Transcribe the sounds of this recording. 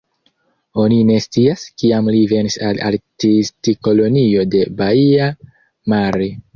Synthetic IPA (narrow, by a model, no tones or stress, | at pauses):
o̞nine̞st͡siaskiamlive̞nisala̰ltistiko̞lo̞nio̞de̞baia | maɾi